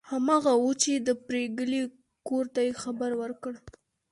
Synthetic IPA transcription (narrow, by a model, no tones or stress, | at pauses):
hamaɣawut͡ʃed̪əpɾeɡəli | koɾt̪ajexabaɾwəɾkəɽ